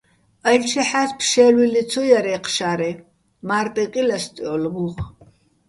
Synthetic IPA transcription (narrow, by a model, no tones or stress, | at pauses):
ɐlt͡ʃʰɛħaspʰʃɛlwilit͡sʰɔjaɾɛqʰʃaɾɛ | mart̪ʼɛqʼilast̪ʼiɔlɡuʁ